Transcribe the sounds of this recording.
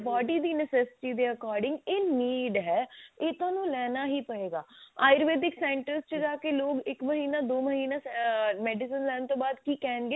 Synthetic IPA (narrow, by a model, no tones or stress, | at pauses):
baːɖiːd̪iːnəsɛːsɪ̥ʈiːd̪eːəkɔːɾɖɪ̃ŋɡeːniːɖɦɛːeːt̪ʊãːnũːlɛːnaːɦiːpəɽeːɡaːaːɪɾʋeːʈ̪ɪksɛ̃ːɳʈəɾst͡ʃəd͡ʒaːkeːloːɡɪkməɦiːnaːd̪oːməɦiːnaːsmɛːɖɪsənlɛːnt̪õːbaːd̪kiːkɛːnɡeː